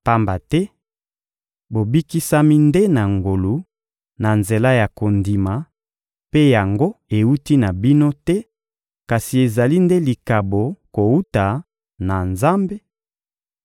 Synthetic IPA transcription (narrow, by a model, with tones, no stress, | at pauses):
pa˦mba˨tɛ˦ | bo˨bi˦ki˦sa˦mi˦nde˦na˨ŋɡo˨lu˨ | na˨nze˨la˦ja˨ko˨ndi˨ma˨ | pe˦ja˨ŋɡo˦e˨wu˦ti˦na˨bi˦no˦tɛ˦ | ka˨si˨e˨za˨li˦nde˦li˨ka˨bo˨ko˨wu˦ta˨ | na˨nza˦mbe˦